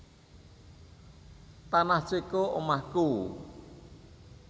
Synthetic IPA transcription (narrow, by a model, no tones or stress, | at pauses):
t̪anahsekoʔomahku